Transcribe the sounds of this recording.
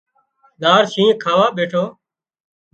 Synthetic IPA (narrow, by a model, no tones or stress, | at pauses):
ɗ̪aːɾsĩːkʰaːʋaːɓeːʈʰoː